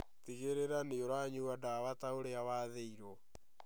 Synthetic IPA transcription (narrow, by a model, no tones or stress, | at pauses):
tiɣeɾeɾaneoɾaɲuadawataoɾeawaðeiɾɔ